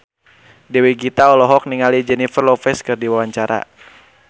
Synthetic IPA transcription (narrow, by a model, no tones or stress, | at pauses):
dɛweɡit̪aɔlɔɦɔk̚niŋalid͡ʒɛnifərlɔfɛskɨrdiwawaɲt͡ʃaɾa̰